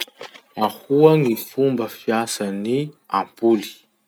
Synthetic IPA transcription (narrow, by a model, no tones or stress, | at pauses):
ahuaŋifumbəfiasaniampuli̥